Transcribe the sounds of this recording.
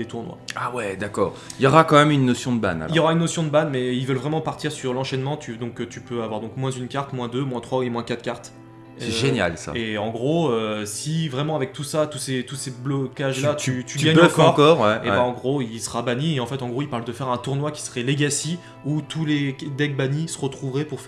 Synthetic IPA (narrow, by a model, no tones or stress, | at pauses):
d̪̥et̪uʁnwa̰awɛd̪akɔ̰ːʁiljɔʁakɑ̃mɛmynːɔsjɔ̃d̪əba̰na̰iljɔʁaynːɔsjɔ̃d̪əbanmɛilvœlvʁɛmɑ̃paʁt̪iʁsyʁlɑ̃ʃɛnmɑ̃t̪ʰyd̪ɔ̃kt̪ypøavwaʁd̪ɔ̃kmwɛ̃zynkaʁt̪mwɛ̃d̪ømwɛ̃t̪χwaemwɛ̃kat̪kʲaʁt̪ | sɛʒenja̰lsa̰eɑ̃ɡʁoøsivʁɛmɑ̃avɛk̚t̪usat̪uset̪useblɔkaʒlat̪yt̪yɡjɛ̃fɔʁkɔʁwɛebaɑ̃ɡʁoilsə̥ʁabanieɑ̃fɛt̪ɑ̃ɡʁoilpaʁld̪əfɛʁɛ̃t̪uʁnwakʲi̥sə̥ʁɛleɡasi | ut̪ʰuled̪ɛk̚banisəʁət̪χuvʁɛpuʁf